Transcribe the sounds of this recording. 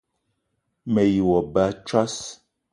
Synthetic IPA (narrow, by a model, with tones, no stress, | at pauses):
mɛ˨ji˨wɔ˨ba˨˦t͡ʃa˦s